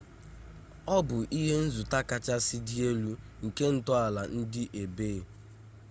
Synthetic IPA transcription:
ɔ˦bʊ˨ʔi˦ɦe˦n̩˦zu˨ta˦ka˦t͡ʃa˦sɪ˦dɪ˦e˦lu˦ | ŋ̩˨ke˦n̩˦tɔ˦a˨la˨n̩˦dɪ˦ʔe˨beː˦˨

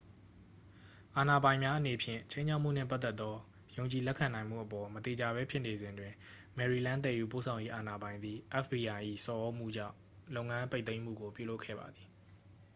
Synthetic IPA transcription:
ʔa˨na˨bã˨ɪ̃mja˦ʔəne˨pʰjɪ̰̃˦˨t͡ɕʰẽ˦ɪ̃ɲʰa˦ʊʔm̥ṵ˦˨n̥ɪ̰̃˦˨pa˦t̪ːɛ˦t̪ːɔ˦ | jõ˨ʊ̃ɲt͡ɕi˨lɛ˦kʰːã˨nã˨ɪ̃m̥ṵ˦˨ʔəpɔ˨mət̪e˨d͡ʑa˨βɛ˦pʰjɪ˦ʔne˨zɪ̃˨ndwɪ̃˨ | mɛ˨ɹi˨lã˦nt̪̬ɛ˨ju˨po̰˦˨sʰã˨ʊ̃je˦ʔa˨na˨bã˨ɪ̃nd̪ði˨ʔɛ˦fbi˨ʔa˨ʔḭ˦˨sɔ˨ʔo˦m̥ṵ˦˨d͡ʑã̰˦˨ʊ̃lo˦ʊ̃ŋã˦mpe˦t̪θẽ˦ɪ̃m̥ṵ˦˨ɡo˨pjṵ˦˨lo˦kʰːɛ̰˦˨ba̰˨d̪ði˨

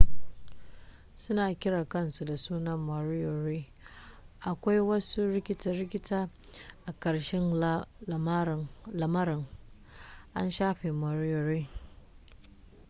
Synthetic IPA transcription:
sʊ˦naː˨kʲɪ˦ɽaː˨kɐ˦˨nsu˨da˨suː˦nɐ˦mːɐ˨ɾɪ˦jo˨ɾiː˦ | ʔa˨kʷa˦jwɐ˦su˦ɾɪ˦kʲɪ˦tɐ˨ɾɪ˦kʲɪ˦taː˦ | ʔa˨kɐ˨ɽʃɛ˦n˦˨ | lɐ˨mɐ˦ɾɪ˨ŋ | ʔa˦nʃaː˦ɸeː˨mɐ˨ɾɪ˦jo˨ɾe˦

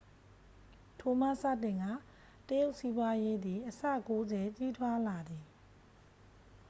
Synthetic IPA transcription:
tʰo˨ma˦˨sa̰˦˨tɪ̃˨ŋɡa˦˨ | təjo˦ʊʔsi˦bwa˦je˦d̪i˨ʔəsä̰˦˨ko˦zɛ˨t͡ɕi˦t̪ʰwa˦la˨d̪ði˨

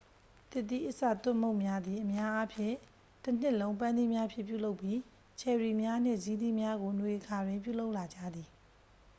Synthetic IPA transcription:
t̪ɪ˦˨t̪̬ːi˦ʔə˨sä̰˦˨t̪ʊ̃˦˨mõ˦˨ʊ̃mja˦d̪i˨ʔəmja˦ʔa˦pʰjɪ̰̃˦˨ | tən̥ɪ˦ʔlõ˦ʊ̃mp̬ã˦nd̪i˦˨mja˦pʰjɪ̰̃˦˨pju˦˨lo˦ʊpːji˦ | t͡ɕʰɛ˨ɹi˨mja˦n̥ɪ̰̃˦˨zi˦d̪i˦mja˦ɡo˨nwe˨ʔəkʰa˨dwɪ̃˨mpjṵ˦˨lo˦ʊʔla˨d͡ʑä̰˦˨d̪ði˨

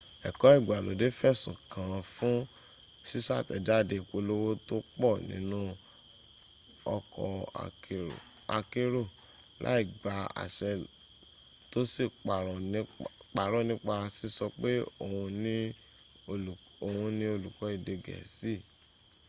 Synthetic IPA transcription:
ɛ˨kɔ˨˦i˦˨ɡ͡ba˨lo˨˦de˦fɛ˦˨sũ˨kʰã˨˧fũ˦ | si˦sa˦˨tɛ̰˨da˦˨de˧˨ko˧lo˦wo˦to˦k͡pɔ˦˨nḭ̃˦nũ˦ | ɔ˧kʰɔ̰˧˨ | a˧ke˦ɾo˦˨ | lʔa̰˦i˦˨ɡ͡ba˨˦a̰˨ʃɛ˧ | to˦si˦˨k͡pa˨ɾɔ̃˨˦k͡pa˨ɾɔ̃˦nĩ˦k͡pa˧si˦sɔ˧k͡pe˦o˦˨hũ˧nĩ˦˨ | o˨hũ˧nĩ˦o˧lu˨kɔ˨˦i˦˨de˧ɡɛ̰˨si˦˨

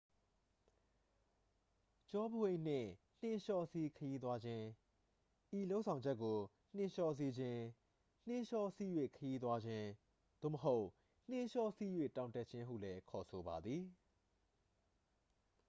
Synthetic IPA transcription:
t͡ɕɔ˦bə˨wẽ˨n̥ɪ̰̃˦˨ | n̥ɪ̃˦˨ʃɔ˦si˦kʰəji˦t̪̬wa˦d͡ʑɪ̃˦ | ʔi˨lo˦ʊʔsʰã˨ʊ̃ɲd͡ʑɛ˦ʔkːo˨ | n̥ɪ̃˦ʃɔ˦se˦d͡ʑɪ̃˦ | n̥ɪ̃˦ʃɔ˦si˦jwḛ˦˨kʰəji˦t̪̬wa˦d͡ʑɪ̃˦ | d̪̥o̰˦˨mə˨ɦo˦ʊʔ | n̥ɪ̃˦ʃɔ˦si˦jwḛ˦˨tã˨ʊ̃tɛ˦ʔt͡ɕʰɪ̃˦ɦṵ˦˨lɛ˦kʰɔ˨sʰo˨ba˨d̪ði˨

